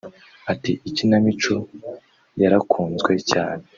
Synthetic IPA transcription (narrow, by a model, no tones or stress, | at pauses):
atiʔicinamit͡ʃo | jaɾakʰuːnzɡwe̞ca̰ːne